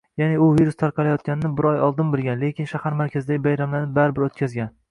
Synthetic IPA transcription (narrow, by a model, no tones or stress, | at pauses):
janɪʊviɾust̪ʰaɾqɑlajɒt̪̚kʲanɪnɪbɪɾɒjɒlˠd̪ɪnbɪlˠɡʲanlekʲʰɪnʃahaɾmaɾkʲʰazɪd̪aɡʲɪbajɾamlanɪbaɾbɪɾot̪̚kʲʰazɡʲan